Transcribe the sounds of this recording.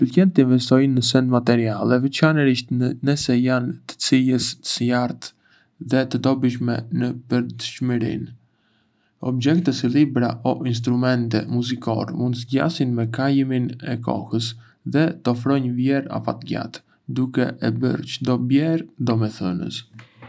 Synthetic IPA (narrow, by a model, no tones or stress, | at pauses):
pəlkɛnt̪əinvɛst̪ɔjnəsɛnd̪mat̪ɛɾialˠɛvɛt͡ʃanɛɾiʃt̪nəsɛjant̪ə̥t͡siləsə̥səjaɾt̪ | ðɛt̪əd̪ɔbəʃ̬mɛnəpəɾt̪əʃməɾḭn | ɔbd͡ʒɛkt̪əsilibɾaɔʔins̬t̪ɾumɛnt̪ɛmuzikɔ̰ɾɛmund̪zɟa̰sinmɛkajminɛkɔ̰həs | ðɛt̪əɔfɾɔɲvjɛɾa̰fa̰t̪ɡa̰t̪ | d̪ukɛ̰ʔɛbə̰ɾt͡ʃəd̪ɔbjɛɾd̪ɔmɛθə̰nə̰s